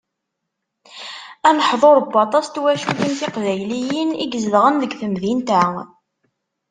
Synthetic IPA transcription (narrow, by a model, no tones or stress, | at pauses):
ænəħðˤoɾˤəbːɑt̪ˤɑst̪wæʃuθəmθɪqðæjlijəniɡzəðʁənðəɡθəmðint̪æ